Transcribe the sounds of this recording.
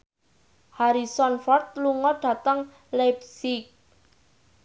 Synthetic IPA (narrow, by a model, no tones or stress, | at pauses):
haɾisɔnfɔrt̪̚luŋɔɖ̥ä̤t̪əŋ | lapsik̚